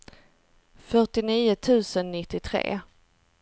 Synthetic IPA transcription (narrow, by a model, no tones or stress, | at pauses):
fœʈɪniːʊt̪ʰʉ̟ːsənːɪt̪ːɪt̪ʰɾḛː